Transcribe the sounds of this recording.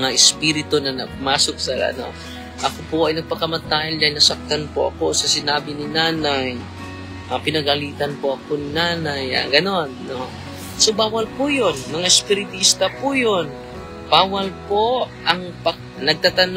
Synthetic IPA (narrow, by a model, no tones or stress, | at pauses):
ŋaʔɪspiːɾɪt̪onɐnɐpʊmaːsok̚sɐɐ̰no̰ | ʔɐkopoʔɐjnɐɡ̚pɐkɐmɐt̪aːjɐld̪aːhɪlnɐsɐk̚t̪anpo̰ʔɐ̰ko̞sɐsɪnaːbɪnɪnaːnaj | ʔapɪnɐɡɐliːt̪ɐnpoʔɐko̞nɪnaːnaja̰ɡɐno̞nːo | sobaːwɐlpʊjonmɐŋaɪspɪɾɪt̪ist̪ɐpʊjon | b̥aːwɐlpo̞ʔɐŋpɐ | nɐɡ̚t̪at̪ɐn